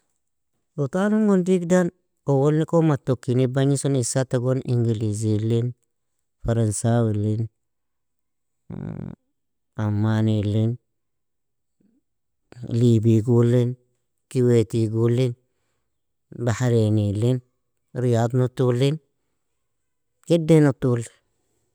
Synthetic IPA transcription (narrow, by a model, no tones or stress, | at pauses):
utanuŋɡundikdan | owolnikomatːokːinibaɲisonisataɡonʔiŋɡiliz̬ilin | faɾansawilin | amːanilin | libiɡulin | kiwetiɡulin | bahaɾenilin | ɾijad̪notulin | kidenotuli̥